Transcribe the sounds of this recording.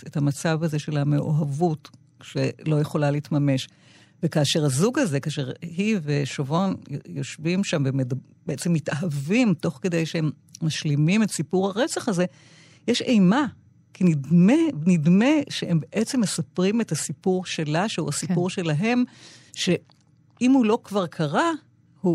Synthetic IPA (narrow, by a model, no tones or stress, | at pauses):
ethamat͡savhaze̞ʃe̞lameʔoɦavut | ʃelo̞jeχo̞laliːtmame̞ʃ | vekaːʃe̞ʁhazuɡaze̞kaːʃeʁhiveʃovo̞njjo̞ʃvimʃamvemed | beet͡se̞mːitaɦavimto̞χke̞de̞jʃeemː | aʃlimimetsipuʁhaʁe̞t͡saχaze̞ | jeʃe̞jma | kinidmenidme̞ʃeembeʔet͡semːe̞sɐpʁimethasipuʁʃe̞laʃehuasipuʁʃe̞laɦe̞m | ʃe̞ | imhulo̞kvaʁkʰaʁa | hu